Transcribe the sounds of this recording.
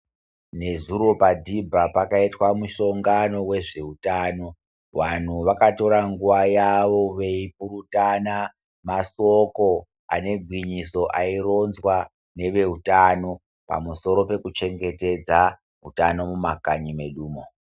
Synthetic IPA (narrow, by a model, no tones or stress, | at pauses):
ne̞zuɾo̞padʱibʱapakaitwamuʃo̞ŋɡano̞we̞ʐe̞utaːno̞ | ʋan̤uʋakato̞ɾaŋɡuʋajaʋo̞ʋe̞ip̚uɾutana | masoko̞ | a̰ne̞ɡʱwiɲiso̞ʔairo̞nzwa | ne̞ʋe̞ɦutano̞ | pa̰muso̞ɾo̞pe̞kut͡ʃe̞ŋɡe̞te̞d͡za | ɦutano̞mumakaɲime̞ɗuːmo